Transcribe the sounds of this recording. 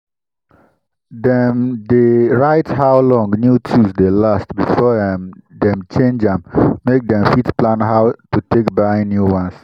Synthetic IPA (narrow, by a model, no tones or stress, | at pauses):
dɛ̃mdeɹaɪthawlɔ̃ŋnjutʰusdelastbifɔdɛ̃mt͡ʃẽnd͡ʒɛ̃mːek̚d̪ɛ̃mfitplãnɦaʊtutʰekbaɪnjuwãns